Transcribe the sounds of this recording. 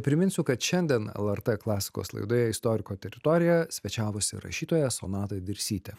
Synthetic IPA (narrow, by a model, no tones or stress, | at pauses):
nʲɛpʲɾʲɪmʲɪnʲsʲʊkɐt̪ʃʲɛnʲd̪ʲiɛnɛ̰lˠɛɾt̪ɛklˠɑːsʲɪ̥ko̰ːslˠɐ̰ɪd̪oːjɛɪst̪ɔɾʲɪkoːt̪ʲɛɾʲɪt̪ɔːɾʲɪjɛsʲʋʲɛt͡ʃʲæːʋosʲɪ̰ɾɐ̰ʃʲiːt̪oːjɛso̰nɑːt̪ɐɪd̪ʲɪɾʲsʲiːt̪ʲɛ